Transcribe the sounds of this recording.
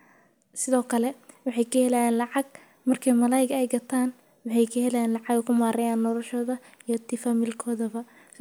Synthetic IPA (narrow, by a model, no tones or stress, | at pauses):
sɪðɔːkʰɐlɛwɑħɑjkʰɐhɛlajaːnlɑʕɑɡ | mɐrkʰɛjmɐlaːjɪɡɛjɡɐt̪ʰaːn | wɑħɑjkʰɐhɛlajaːnlɑʕɑɡɐkʰʊmaːɾɛjaːnːɔlɔʃɔːðɐ | ijɞt̪ʰɪfɐmilkʰɔːðɐβɐ